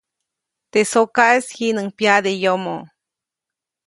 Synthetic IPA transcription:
t̪esokaʔeshinɨŋpjad̪ejomo

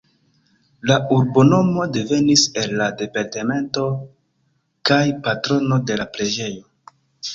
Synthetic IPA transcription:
lauɾbo̞no̞mo̞de̞ve̞nise̞lːade̞paɾte̞me̞nto̞ | kajpatɾo̞no̞de̞lapɾe̞d͡ʒe̞jo̞

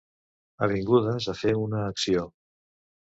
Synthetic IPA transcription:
əβiŋɡuðəzafeunəːksio

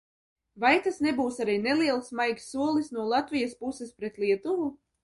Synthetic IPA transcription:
vajt̪asnebuːsaɾijnelˠiɛlˠsmajkʲsːuɔlˠisnuɔlˠat̪vʲijaspusɛspɾet̪lˠiɛt̪uvu

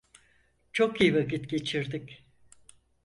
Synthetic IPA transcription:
t͡ʃʰo̞kijivakit̪ɟe̞t͡ʃʰiɾd̪ic

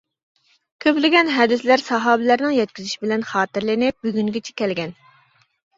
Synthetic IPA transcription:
kʲʰøplɪɡʲɛnɦɛd̪ɪslæɾsɑɦɑːbɪlæɾnɪŋjɛt̪̚kʲizyʃibɪlɛnχɑːt̪ɨɾlɪnɪp̚byɡʲyŋɡʲet͡ʃʰɛ̥kʲɛlɡʲɛn

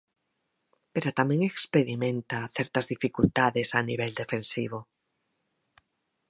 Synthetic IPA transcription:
peɾot̪amẽŋekspeɾimẽnt̪aθeɾt̪azðifikult̪aðesaniβ̞eld̪efẽnsiβ̞o

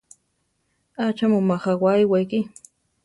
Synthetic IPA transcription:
at͡ʃamʊmaχawajwajkɪ

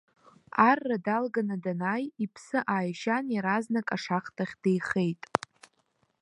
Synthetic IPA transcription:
arːadalɡanadanajipʰsɨʔaːjʃanjaɾaznakʼaʂaχtʰʼaχʲd̥ejχe̞jtʼ

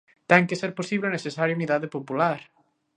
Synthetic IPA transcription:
t̪ɛŋkeseɾposiβleonesesaɾjouniðaðepopulaɾ

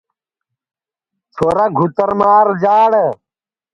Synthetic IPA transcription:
t͡sʰoːɾɐɡʱut̪əɾmaːɾd͡ʑaːɽ

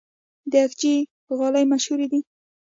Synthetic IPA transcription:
d̪əakd͡ʒi | ɣɑlajmaʃhuɾid̪i

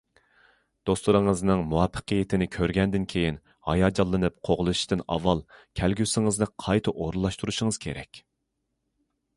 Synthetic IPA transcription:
d̪̥osluɾɨŋəznɨŋmuwɑpʰːə̥qʰəjɪt̪ʰɪnɪkʲʰøɾɡʲɛnd̪ɪnkʲʰejin | hɑ̰jɑːd͡ʒɑlˠːɨnɨp̚qʰoʁlˠɨʃt̪ɨnɑ̰vːɑlˠkʲʰælɡʲysɪŋɨznɨqʰɑjt̪ʰɨʔoɾlˠːɑʃt̪uɾuʃɪŋɨz̥kʲʰeɾɛ̰kʲ

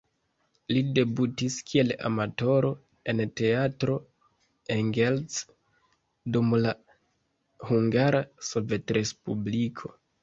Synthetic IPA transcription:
lide̞butiskʰie̞la̰mato̞ɾo̞ | e̞nte̞atɾo̞ | eŋɡelt͡s | dumla | huŋɡaɾaso̞ve̞tɾe̞spublikʰo̞

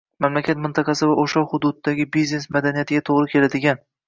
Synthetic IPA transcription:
mamlakʲʰat̪mɪnt̪ʰɑqʰɑsɪvaʔoʃahʊd̪ʊd̪̚d̪aɡʲɪbizne̞smad̪anijat̪ʰɪɡʲat̪ʰoʁɾɪkʲʰe̞lad̪ɪɡʲan

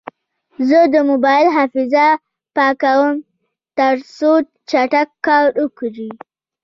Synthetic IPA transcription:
zəd̪əmobɑjɪlɦafɪza | pɑkawəm | t̪əɾsot̪t͡ʃaʈakːɑɾukɾi

